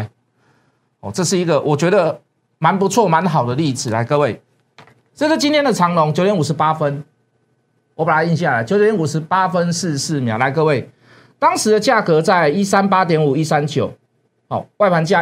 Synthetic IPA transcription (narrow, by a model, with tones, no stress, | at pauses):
hɔ̰˨˩t͡sɤ˥˧ʂɻ̩˥˩i˧˥ɡə˨wʔɔ˨˩t͡ɕɥɛ˧˥d̪ə˨ | ma˧˦npu˧˦t͡sʰwɔ˥˨ma˧˦nɦɑ˨˩ʊd̪ə˦li˥˩d͡z̩˨˩la˧˦ɪkɤ˥˧we˥˩ɪ | t͡sə˥˧ʂ̩˥˩t͡ɕi˦nt̪ʰjɛ˥ndə˨t͡sʰɑ˨˦ŋlɔ˨˦ŋt͡ɕjo˨˦jɛ˦nu˨˩ʂɻ̩˧˦pa˦fə˦n | wɔ˧˦pa˨˩la˨˦ɪi˥˧nɕ̬ja˥˨la˨˦ɪt͡ɕjo˧˦ʊt̪jɛ˧˦nu˨˩ʂɻ̩˧˥pa˦fə˦ns̩˥˧s̩˥˨mjɑ̰˨˩ʊla˧˥ɪk̬ɤ˥˧we˥˩ɪ | t̪ɑ˦ŋʂɻ̩˨˦d̪ə˧t͡ɕja˥˩kɤ˧˦t͡sa˥˧ɪi˦sa˦npa˦t̪jɛ˧˥nu˨˩i˦sa˦nt͡ɕjo˨˩˦ʊ | hɔ̰˨˩wa˥˩ɪpʰa˧˦nt͡ɕja˥˨